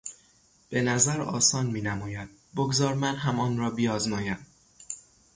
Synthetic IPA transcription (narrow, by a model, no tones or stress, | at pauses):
b̥e̞næzæɾɒ̰ːsɒːnmiːnæmɒːjæd̪̥̚boɡzɒːɾmænɦæmɒːnɾɒːbiːɒːzmɒːjæn